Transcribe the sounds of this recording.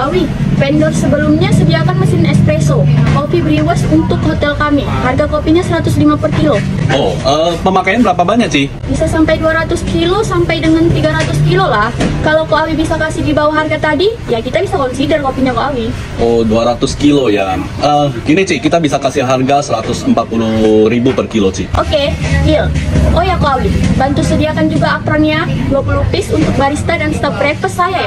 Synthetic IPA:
ʔawipɛndɔrsəbəlumɲasəbiakanməsɪnɛkspɾesokopibəɾiwəsunt̪ʊkːhot̪ɛlkamiharɡakopiɲasəɾat̪ʊslimapərkilooʔəːpəmakajanbəɾapabaɲak̚t͡ʃih | bisasampajduaɾat̪ʊskilosampajdəŋant̪iɡaɾat̪ʊskilolahkalakoawibisakasɪhdibawaɦarɡat̪adijakit̪abisakonsidərkopiɲakoawi | ʔoduaɾat̪ʊskiloja | əinisihkit̪abisakasɪɦarɡasəɾat̪ʊsəmpat̪̚puluɾibupərkilosɪhʔokeilʔojakoawibant̪usudiakand͡ʒuɡaːpɾanjablɔk̚nupɪsunt̪ʊk̚baɾist̪adanst̪ap̚bɾɛpəsaja

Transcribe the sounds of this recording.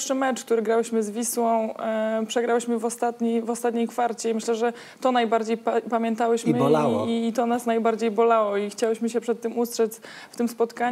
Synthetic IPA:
ʂɘmɛt͡ʂk̚t̪uɾɘɡɾawɘɕmɘzvʲiswɔ̃w̃pʂɛɡɾawɘɕmɘvɔst̪at̪ɲivɔst̪at̪ɲejkfaɾt͡ɕɛimɘɕlɛʐɛ | t̪ɔnajbaɾd͡ʑejppamʲjɛnt̪awɘɕmɘait̪ɔnasnajbaɾd͡ʑejbɔlawɔixt͡ɕawɘɕmɘɕɛpʂɛt̪ːɘmust̪ʂɛsft̪ɘmspɔt̪kaɲ

